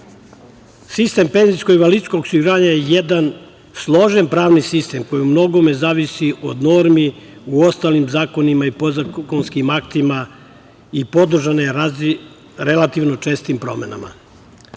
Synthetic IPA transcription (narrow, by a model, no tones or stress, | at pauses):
sist̪e̞mpe̞nziskoiʋaliskosiɡuɾaːɲajejed̪an | slˠo̞ʒenpɾaːʋnisist̪e̞mko̞jiumno̞ɡo̞mezaːʋisiʔo̞̰d̪noɾmiuo̞st̪aːlimzaːko̞nimaipozakonskimakt̪ima | ipo̞d̪r̩ʒane | ɾelat̪iʋnot͡ʃe̞ːst̪impɾo̞̰me̞̰na̰ma̰